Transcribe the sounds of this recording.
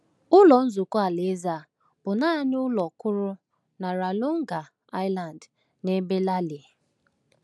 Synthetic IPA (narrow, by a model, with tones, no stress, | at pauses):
ʊ˦lɔ˨n̩˦zʊ˨kʊ˦a˨le˨˦za˨ | b̥ʊ˨na˦ɲ˦ʊ˦lɔ˨kʊ˦ɾʊ˦ | na˨ɾa˨lʊ˦ŋ̩˦ɡa˨ | a˦ɪ˦la˨n˨d | ne˦be˦la˦li˨